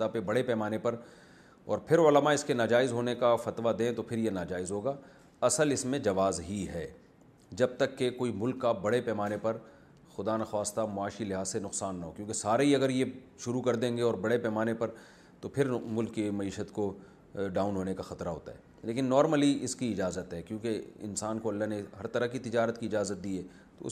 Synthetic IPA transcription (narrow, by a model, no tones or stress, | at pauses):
apebɐɽepɛːmaːnepɐɾ | ɔːɾpʰɪɾʊləmaɪskenaːd͡ʒaːɪzɦoːnekafɐt̪ʋad̪ẽt̪opʰɪɾjenaːd͡ʒaːɪzɦoːɡaː | ɐsəlɪsmẽd͡ʒɐʋaːzɦiɦɛː | d͡ʒɐb̚t̪ɐkːekoːimʊlkːabɐɽepɛːmaːnepɐɾ | xʊd̪aːnaxwaːst̪amʊaːʃilɪɦaːzsenʊqsaːnːɐɦoːkjõːkesaːɾeɦiɐɡəɾjeʃʊɾukɐɾd̪ẽːŋɡeɔːɾbɐɽepɛːmaːnepɐɾ | t̪opʰɪɾmʊlkːemɐiːʃət̪ko | ɖaːʊnɦoːnekaxɐt̪ɾaɦo̰ːt̪a̰ɦɛ̰ː | leːkɪnːɔːɾməliɪskiɪd͡ʒaːzət̪ɦɛːkjõːkeɪ̰nsaːnkoɐlːaɦneɦɐɾt̪ɐɾəkit̪ɪd͡ʒaːɾət̪kiɪd͡ʒaːzət̪̚d̪iːɛː | t̪o̰ʊ̰